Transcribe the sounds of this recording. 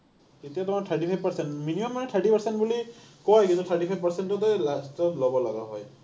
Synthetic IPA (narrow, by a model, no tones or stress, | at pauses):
etijat̪ʊmatʰaʈipʰajb̚paɹsentminimɔmːanɛtʰaɹʈipaɹsenʈbulikɔjkĩnt̪ut̪ʰaʈipʰajbʱpaɹsenʈɔtɔjlastɔtlɔbɔlaɡaɦɔ̰j